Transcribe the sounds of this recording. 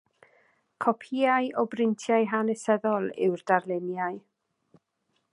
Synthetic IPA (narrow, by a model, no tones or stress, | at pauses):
kʰɔpʰiaɨʔɔbrɪntʰjajɦanɛsɛðɔlˠɪ̰wrd̥arlˠɛnjaj